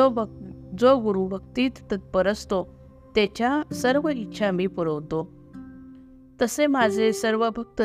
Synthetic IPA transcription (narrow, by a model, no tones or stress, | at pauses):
d͡zoɡuɾubəkt̪iːt̪ːət̪̚pəɾəst̪o | t̪ɛt͡ɕjasəɾʋəit̪ːɕʰamiːpəɾəʋt̪o | t̪əsemad͡zʱesəɾʋəbʱək̚t̪ə